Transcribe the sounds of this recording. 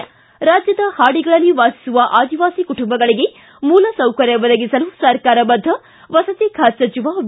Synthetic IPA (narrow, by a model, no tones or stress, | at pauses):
ɾaːd͡ʒjɐd̪ɐhaːɽiɡɐɭɐlːiʋaːsi̥suʋɐʔaːd̪iʋaːsikuʈumbɐɡɐɭiɡe̞ | muːlɐsɐwkɐɾjɐʋɐd̪ɐɡisɐlusɐɾkaːɾɐbɐd̪ʱːɐ | ʋɐsɐt̪ikʰaːt̪sɐt͡ʃiʋa